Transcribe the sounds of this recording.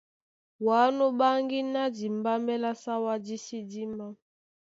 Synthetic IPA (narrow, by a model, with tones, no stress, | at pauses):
wa˨˦no˦ba˦ŋɡi˦na˦di˨mba˦mbɛ˦la˦sa˦wa˦di˦si˦di˦ma˦